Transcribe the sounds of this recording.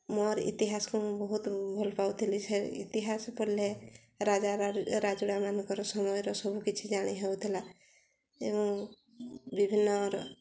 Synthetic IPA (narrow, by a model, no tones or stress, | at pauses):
mɔɾḭt̪iɦaskõbɔɦut̪bʱɔlɔpaut̪ʰilit͡ʃʰɛḭt̪iɦaspɔle | ɾad͡ʒaɾad͡ʒuɽamankɔɾɔsɔmɔjɾɔsɔbʱukit͡ʃʰid͡ʒaɽ̃iɦewt̪ʰila | eɔ̃ | bibʱinːɔɾ